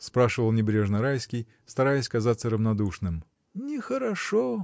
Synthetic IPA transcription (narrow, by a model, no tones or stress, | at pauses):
spɾaʂɨvəlˠnʲɪbɾʲeʐnəɾajskʲɪj | st̪ɐɾajɪsʲkɐzat̪səɾəvnɐd̪uʂnɨm | nʲɪxəɾɐʂo